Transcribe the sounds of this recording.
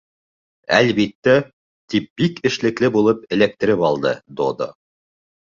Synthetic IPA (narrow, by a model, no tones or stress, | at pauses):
æ̰lβit̪ːæ | t̪ip̚b̥ikɘ̆ʃlɘ̆klɘbulˠɤp̚ɘ̆læk̚t̪ɘ̆ɾɘpɑlˠd̪ɤd̪od̪o̰